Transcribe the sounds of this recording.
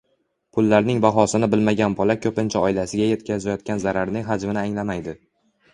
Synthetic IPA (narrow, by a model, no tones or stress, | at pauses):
pʰʊlːaɾnɪŋbaɦɒsɪnɪbɪlmaɡʲanpʰɒlakʲʰɵpɪnt͡ʃʰaɒɪlasɪɡʲaje̞t̪kʲʰazajɒt̪̚kʲanzaɾaɾnɪŋɦad͡ʒmɪnɪaŋlamajd̪ɪ